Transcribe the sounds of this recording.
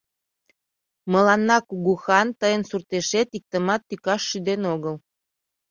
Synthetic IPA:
məlɑnːɑkuɣuxɑnt̪əjənsurt̪eʃet̪ik̚t̪əmɑt̪ːykɑʃːyd̪enoɣəl

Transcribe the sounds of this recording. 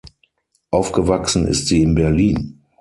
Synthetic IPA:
ʔaʊfɡ̥əvaksn̩ɪ̰stz̥iːɪnbɛɐliːn

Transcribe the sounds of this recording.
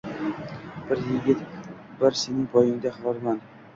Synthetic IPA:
b̥ɪɾjɪɡʲɪt̪ | bɪɾsenɪŋpʰɒjɪŋd̪aχvɒɾman

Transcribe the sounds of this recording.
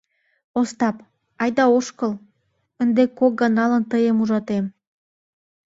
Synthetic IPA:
ost̪ɑp | ɑjd̪ɑoʃkəl | ənd̪ekok̚ɡɑnɑlənt̪əjəmuʒɑt̪em

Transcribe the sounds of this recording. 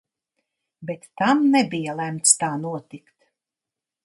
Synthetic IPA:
bɛt̪ːamnɛbijalæmt̪st̪aːnuɔt̪ikt̪

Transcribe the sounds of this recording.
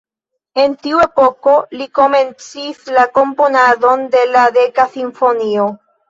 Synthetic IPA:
e̞ntiue̞po̞ko̞liko̞me̞nt͡sislako̞mponado̞nde̞ladekasiɱfo̞nio̞

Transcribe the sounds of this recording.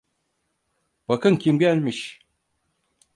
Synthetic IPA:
b̥akɯncʰimɟælʲmiʃ

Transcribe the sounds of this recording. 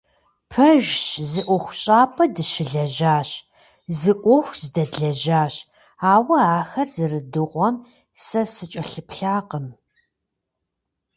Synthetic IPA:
pʰɐʒɕzɨʔʷɔxʷɕʼaːpʰʼɐdɨʃɪɮɐʒaːɕ | zɨʔʷɔxʷz̥ɨdɐdɮɐʒaːɕ | aːwɐaːxɐrzɨrɨdɨʁʷɔm | sɐsɨt͡ʃʼɐɬɨpɬaːqəm

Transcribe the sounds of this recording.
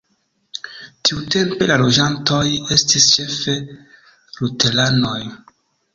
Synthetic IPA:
tʰiute̞mpe̞lalo̞d͡ʒanto̞je̞stist͡ʃe̞fe | lutelano̞j

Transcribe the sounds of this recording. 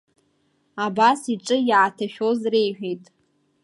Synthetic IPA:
abasiʈ͡ʂʼɨjʕatʰaʃᶣozrejħᶣejtʼ

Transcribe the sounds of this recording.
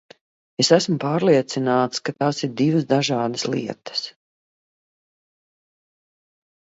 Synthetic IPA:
esæsmupaːɾlˠiɛt̪sinaːt̪skat̪aːsiɾd̪ivəsd̪aʒaːd̪əslˠḭɛt̪ə̥s

